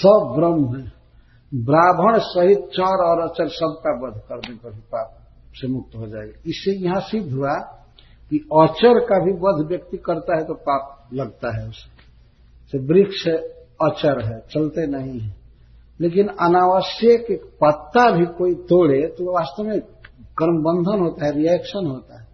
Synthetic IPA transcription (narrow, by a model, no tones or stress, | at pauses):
səbbɾəmɦɛ̃ː | bɾaːbʱəɽ̃səɦɪt̪̚t͡ʃɔːɾɔːɾəːt͡ʃəɾsəb̚kabəd̪ʱkəɾnekabʱipaːp̚ | semʊk̚t̪ɦod͡ʒaːeɡaɪsejɐɦãsɪd̪ʱɦua | kiɔːt͡ʃəɾkabʱibəd̪ʱʋjəkt̪ikəɾt̪aɦɛt̪opaːp̚lɐɡt̪aɦɛʊse̥ | sebɾɪkse | ɔːt͡ʃəɾɦɛt͡ʃəlt̪enɐɦĩɦɛ̃ | leːk̬ɪnənaːʋəsjəkekpət̪ːabʱikoːit̪oːɽet̪oʋaːst̪əmẽɡ̥əɾmbə̃nd̪ʱənɦoːt̪aɦɛɾiɛːkʃənɦoːt̪aɦɛ